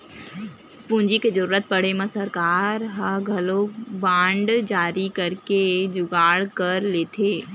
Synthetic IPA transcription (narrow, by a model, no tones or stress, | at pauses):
pũːɲd͡ʒikezəɾuːɾət̪̚pɐɽemãsɐɾkaːɾɦaɡʱɐlobãːɳɖd͡ʒaːɾikɐɾked͡ʒʊɡaːɽkɐɾleːt̪ʰeː